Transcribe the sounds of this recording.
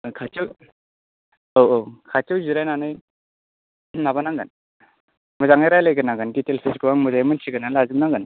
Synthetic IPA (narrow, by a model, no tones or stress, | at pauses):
kʰat͡ʃɯw | owʔokʰat͡ʃɯwziɾajnanɯj | nabanaŋɡɯn | mɯzaŋajɾajlajɡɯnaɡɯnditelsiskɯwaŋmɯzajmɯnsʰiɡɯnanlazɯmnaŋɡɯn